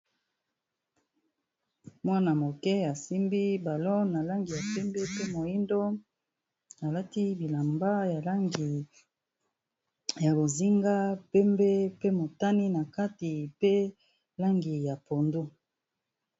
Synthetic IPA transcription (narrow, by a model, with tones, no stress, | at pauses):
mwa˦na˨mo˨kɛ˦a˨si˦mbi˦ba˨lo˦na˨la˦ŋɡi˨ja˨pɛ˦mbɛ˦pe˦mo˨ji˦ndo˦ | a˨la˦ti˦bi˨la˨mba˦ja˨la˦ŋɡi˨ | ja˨bo˨zi˦ŋɡa˦pɛ˦mbɛ˦pe˦mo˨ta˦ni˦na˨ka˦ti˨pe˦ | la˦ŋɡi˨ja˨po˨ndo˦